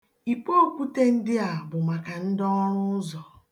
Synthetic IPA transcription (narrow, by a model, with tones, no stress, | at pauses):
i˨k͡po˦o˦˨kʷu˦te˦n̩˦dɪ˦a˨bʊ˨ma˨ka˨n̩˦dɔ˦ɾʊ˦zɔ˨